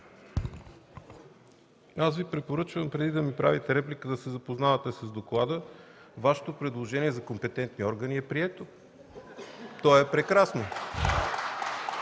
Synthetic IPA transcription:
asvipɾɛpoɾɤt͡ʃvəmpɾɛd̪id̪ɐmipɾavit̪ɛɾɛplikəd̪ɐsɛzɐpoznavət̪ɛsɐzd̪oklˠad̪əvaʃɛ̥t̪opɾɛd̪lˠoʒɛniɛzɐkompɛt̪ɛnt̪niɔɾɡəniɛpɾiɛt̪o | t̪ɔɛpɾɛkɾasno

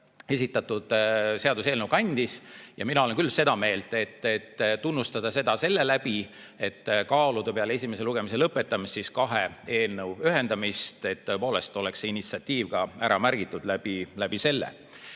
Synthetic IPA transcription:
e̞sit̪ːˑɑt̪ud̪̥se̞ɑd̪use̞ːlnəwkɑnʲd̪̥isjɑ̰minɑoenkylːse̞d̪̥ɑme̞ːlt̪e̞t̪ːet̪ːunːust̪ɑd̪̥ɑse̞d̪̥ɑse̞lːe̞læb̥i | e̞t̪ːkɑːlud̪̥ɑpeɑlee̞s̬ʲime̞se̞luɡe̞mise̞lɤpːˑe̞t̪ːˑɑmist̪siskɑɦee̞ːlnəwyɦe̞nd̪̥ɑmist̪e̞t̪ːɤepo̞ːle̞st̪o̞le̞kseinit̪siɑt̪ʲːiːvɡ̥ɑæɾɑmærɡ̥it̪ːˑud̪̥læb̥ilæb̥ise̞lːḛ

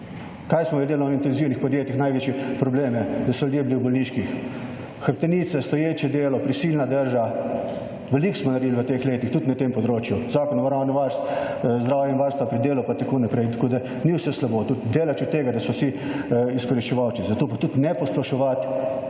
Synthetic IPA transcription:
kajsmɔjɛld̪eːlɔint̪ɛnziwnixpɔd̪jeːt̪ixnajʋeːt͡ʃjɛpɾɔbleːmɛd̪ɐsɔlʲud̪jeːbiliwbɔlniːʃkix | xəɾp̚t̪ɛniːt̪sɛst̪ɔjeːt͡ʃɛd̪eːlɔpɾisiːlnad̪əɾʒa | ʋɛliksmɔnɐɾd̪iliʋət̪exleːt̪ixt̪ut̪nat̪empɔd̪ɾoːt͡ʃjuzaːkɔnɔʋaɾawnɔʋaɾst̪ | zd̪ɾaːwjɛinʋaɾst̪ʋapɾid̪eːlupat̪ɐkoːnapɾɛjt̪ɐkoːd̪a | niwsɛslaboːt̪ut̪d̪eːlat͡ʃut̪ːeːɡad̪ɐsɔwsi | iskɔɾiʃt͡ʃɛʋawt͡ʃizɐt̪oːpat̪ut̪nɛpɔsplɔʃɔʋat̪

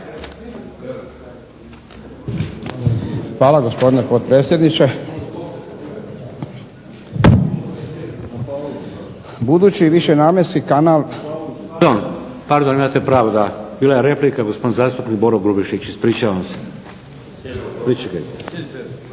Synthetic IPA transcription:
xʋaːlaɡo̞spo̞d̪inepot̪̚pɾeːt̪sʲjed̪nit͡ʃe | bud̪uːt͡ɕiʋiʃenaːmjeskikanal | d̪on | paɾd̪onimat̪epɾaːʋod̪abiːlajeɾe̞plikaɡospod̪inzaːst̪upnik̚boɾoɡɾubiʃit͡ɕispɾiːt͡ʃaʋamse̥ | pɾit͡ʃika

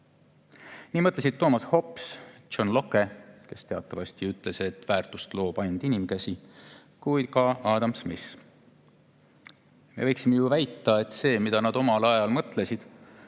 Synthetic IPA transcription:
niːmɤt̪ˑlesid̪̥̚t̪ːo̞ːmɑsho̞psonlo̞kːe̞ke̞st̪e̞ɑt̪ˑːɑvɑst̪iyt̪ˑle̞se̞t̪ːˑvæːrt̪ust̪lo̞ːpɑnʲd̪̥inimkæsi | kujd̪kɑɑːd̪ɑmsmis | mḛvɤjksimejuvæjt̪ːˑɑe̞t̪ːˑse̞ːmid̪̥ɑnɑd̪̥o̞mɑlɑjɑlmɤt̪ˑle̞sid̪̥

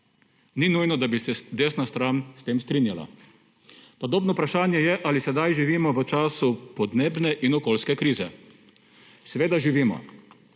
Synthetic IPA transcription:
ninujnɔd̪abisɛd̪eːsnast̪ɾanst̪eːmst̪ɾinjala̰ | pɔd̪oːbnɔupɾaʃaːnjɛjɛʔalisɛd̪ajʒiʋiːmɔʋət͡ʃaːsupɔd̪neːbnɛʔinɔkoːlskɛkɾiːzɛ | sɛʋeːd̪aʒiʋiːmɔ̰

